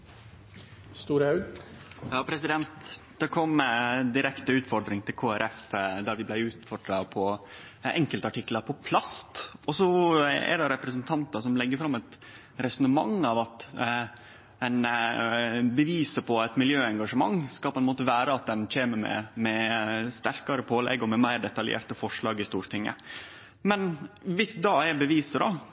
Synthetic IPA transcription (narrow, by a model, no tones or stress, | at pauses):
st̪uːɾəhɑ | jɑːpʰɾɛsɪd̪ɛnt̪d̪̥ɛkʰɔmd̪ɪɾɛkt̪əʉːt̪fɔɖɾɪŋt̪ʰɪlkʰoːæɾʔɛfd̪ɑɾʋɪblæɪʉːt̪fɔɖɾɑpʰɔ | ɛŋkəlt̪əɑʈɪkːləɾpʰɔpʰlɑst̪ɔsɔɛ̰ɾɖɛɾɛpɾəsnt̪ʰɑnt̪ɑsɔmlɛɡːəɾfɾɑmːɛt̪ | ɾɛsɔnəmɑ̰ŋɑːʋɑt̪ | ɛɪn | bəʋiːsəpʰɔæɛt̪mɪljøːɛŋɡɑʂəmɑŋːskɑlpɔɛnmoːt̪əʋæːɾəɑt̪̚d̪ɛnc͡çeːməmɛ̰mɛst̪æɾkɑɾəpʰoːlɛ̰ɡːɔmɛmæɪɾɖɛt̪ɑljḛːɾʈ̪əfɔʂɭɑːɡɪst̪uːɾt̪ɪŋːə̰ | mɛnʋɪsd̪ɑɛɾbəʋiːsəd̪ɑ̰